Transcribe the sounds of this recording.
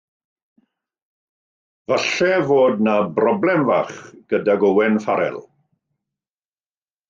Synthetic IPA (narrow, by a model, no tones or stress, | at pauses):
vaɬɛvoːdnabrɔblˠɛmvaːχɡ̥ədaɡowɛnfaɾɛ̰lˠ